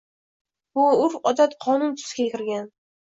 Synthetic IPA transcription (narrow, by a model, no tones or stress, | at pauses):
bʊʊɾɒd̪at̪qʰɒnʊnt̪ʰʊ̥skʲakʲɪɾɡʲan